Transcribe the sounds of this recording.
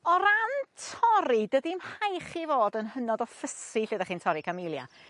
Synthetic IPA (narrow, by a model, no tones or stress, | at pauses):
ɔɾantʰɔɾidədimhajχivoːdənhənɔdɔfəsiɬedaχiːntʰɔɾikʰamɪlˠja̰